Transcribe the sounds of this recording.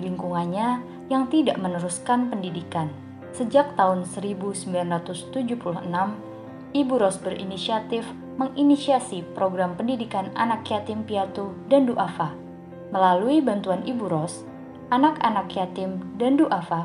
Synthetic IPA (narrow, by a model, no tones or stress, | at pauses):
liŋkuŋanɲa | jaŋt̪ida̰ʔmənəɾuskanpəndidikan | səd͡ʒak̚t̪aɦʊnsəɾibusəmbilanrat̪ʊst̪ud͡ʒuhpuluhənam | ibuɾɔsbəɾʔḭnisiat̪ɪf | məŋʔinisiasipɾoɡɾampəndidikana̰nakjat̪ɪmpiat̪udanduʔafa | məlaluibant̪uanʔibuɾɔs | ʔanakanakjat̪ɪmdanduʔafa